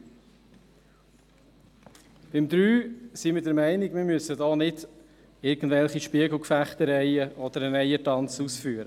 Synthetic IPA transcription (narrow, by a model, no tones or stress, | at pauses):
b̥ɪmd̪ɾyːsimədəɾmæɪnɪkmɪɾmysədɔːnɪd | ɪɾɡən̩dvɛlχiʃpiəɡl̩ˠkfæχt̪əɾɛɪəʔɔd̥̪əɾənɛɪətɑnt͡susfyːəɾə